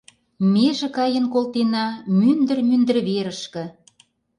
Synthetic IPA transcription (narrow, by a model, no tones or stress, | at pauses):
meʒĕkɑjə̆nkolt̪enɑmynd̪ə̆rmynd̪ə̆rβeɾə̆ʃkə̆